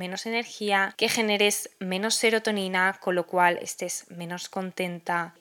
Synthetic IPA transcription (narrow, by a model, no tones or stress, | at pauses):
mẽ̞no̞se̞ne̞ɾxiake̞xe̞ne̞ɾezmẽ̞no̞sːe̞ɾo̞t̪o̞ninako̞lːo̞kwale̞̰st̪e̞z̥mẽ̞no̞sko̞nt̪ẽ̞nt̪a